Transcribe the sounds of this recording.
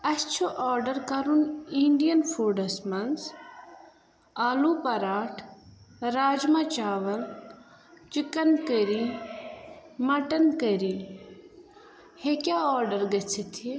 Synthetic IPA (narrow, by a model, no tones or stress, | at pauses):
ɐst͡ʃʰoʔɔːɾɖɐɾkɐɾuniɳɖijɐnfʰuɾɖɐsmɐns | aːlupɐɾaːʈʰɾaːd͡ʒmɐt͡ʃaːʋɐl | t͡ʃikɐnkəɾi | mɐʈɐnkɐɾi | hekʲaɔːɾɖɐɾɡɐt͡sʰit̪ʰi